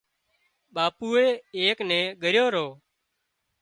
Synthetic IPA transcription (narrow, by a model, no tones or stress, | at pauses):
ɓaːpuːeːeːknɛ̃ːɠəɾjoːɾoː